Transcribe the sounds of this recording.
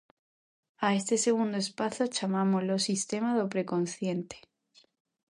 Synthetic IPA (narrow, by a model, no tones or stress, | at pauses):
ae̞st̪ese̞ɣ̞und̪oespaθot͡ʃamamolo̞sist̪e̞maðopɾe̞ko̞nθje̞nt̪e̥